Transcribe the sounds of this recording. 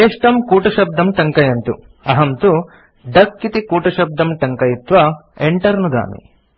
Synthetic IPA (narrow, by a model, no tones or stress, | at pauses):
eːʂʈɐmkuːʈɐʃɐb̚d̪ɐmʈɐŋkɐjɐnt̪ṵ | ɐɦɐmt̪u | ɖɐkːit̪ikuːʈɐʃɐb̚d̪ʱɐmʈɐŋkɐjit̪ʋɐeɳʈɐɾnud̪a̰ːmḭ